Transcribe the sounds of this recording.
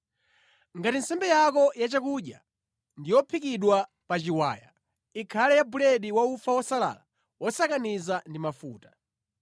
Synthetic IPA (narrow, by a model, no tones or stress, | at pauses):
ŋɡatinsɛmbɛjakɔjat͡ʃakuɗja | ndijɔpʰikiɗwa | pat͡ʃiwa̰ːja̰ | ikʰalɛjabulɛɗiwaufawɔsala̰la | wɔsakanizandimafuːtḁ